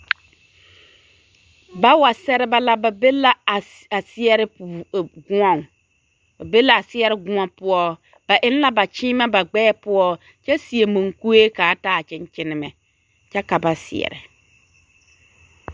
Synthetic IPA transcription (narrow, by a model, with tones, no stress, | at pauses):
ba˦wa˨sɛ˦ɾɪ˦ba˦la˦ba˨be˦la˦˨ | a˨sɪ˦ɛ˦ɾɪ˦˨ɡʊ˦ɔ˦˨ŋ˨ | ba˨be˦la˨a˨sɪ˦ɛ˦ɾɪ˦ɡʊ˦ɔ˦pʊ˦ɔ˦ | b̥a˨ʔɪ˦n˦la˦ba˨t͡ʃɪː˦ma˦ba˨ɡ͡bɛː˦pʊ˦ɔ˦ | t͡ʃɛ˦si˨e˨mo˨ŋku˦e˦kaː˨˦taː˦˨t͡ʃɪ˦n˦t͡ʃɪ˦nɪ˦mɛ˨ | t͡ʃɛ˦ka˨ba˨sɪ̰˨ɛ̰˨ɾɪ̰˨